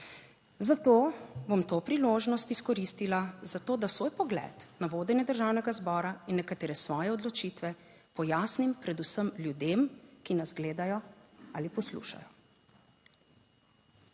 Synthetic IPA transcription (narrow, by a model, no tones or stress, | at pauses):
zat̪oːbomt̪oːpɾiloːʒnɔst̪iskɔɾiːst̪ilazat̪oːd̪asʋoːjpɔɡlɛ̰ːt̪naʋoːd̪ɛnjɛd̪əɾʒaːwnɛɡazbɔːɾainːɛkat̪eːɾɛsʋɔːjɛɔd̪lɔt͡ʃiːt̪ʋɛ | pɔjaːsnimpɾɛd̪usəmljud̪emkinazɡleːd̪ajɔalipɔslṵːʃa̰jɔ